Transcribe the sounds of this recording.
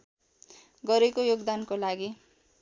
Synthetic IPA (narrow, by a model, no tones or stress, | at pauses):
ɡʌɾekojoɡd̪ankolaɡi